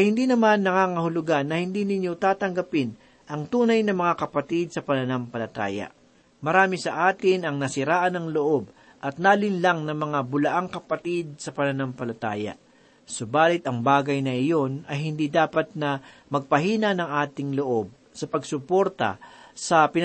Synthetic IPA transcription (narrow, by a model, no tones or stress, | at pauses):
hɪnd̪iːnɐmanːɐŋaːŋɐhʊlʊɡanːɐhɪnd̪iːnɪɲjo̞t̪aːt̪ɐŋɡɐpɪn | ʔɐŋt̪uːnɐjnɐmɐŋakɐpɐt̪id̪̚sɐpɐnɐnampɐlɐt̪a̰ːjɐ̰ | mɐɾaːmɪsɐʔaːt̪ɪnɐŋnɐsɪɾaːʔɐnɐŋloʔo̞b | ʔɐt̪̚naːlɪnlaŋnɐmɐŋabʊlɐʔaŋkɐpɐt̪ɪd̪̚sɐpɐnɐnampɐlɐt̪a̰ːjɐ̰ | sobaːlɪt̪ɐŋbaːɡɐjnɐʔɪjo̞nɐjhɪnd̪iːd̪aːpɐt̪̚nɐmɐɡ̚pɐɦiːnɐnɐŋʔaːt̪ɪŋloʔo̞b̚ | sɐpɐɡsʊpo̞ɾt̪ɐ̰sɐpɪn